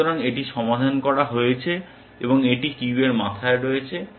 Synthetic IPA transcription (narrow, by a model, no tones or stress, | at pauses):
oɾaŋeʈiʃɔmad̪ʱankɔɽaɦojet͡ɕʰe | eboŋeʈikibeɾmat̪ʰaeɾojet͡ɕʰe